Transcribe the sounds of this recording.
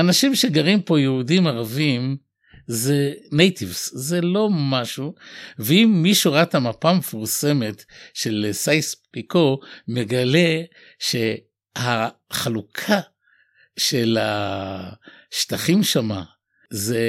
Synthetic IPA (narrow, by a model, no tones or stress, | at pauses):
anaʃimʃeɡaʁimpo̞jehudimaʁavim | ze̞nejtivszelo̞maʃuveimːiʃuʁatamapamefuʁse̞me̞tʃe̞lsajspiko̞me̞ɡale̞ | ʃe̞ | haχalukʰa | ʃe̞la | ʃtaχimʃama̰ | ze